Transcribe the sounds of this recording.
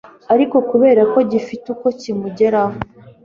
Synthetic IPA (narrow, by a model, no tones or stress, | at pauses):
aɾiko̞kuβe̞ːɾako̞ɟifituko̞cimuɟe̞ɾaho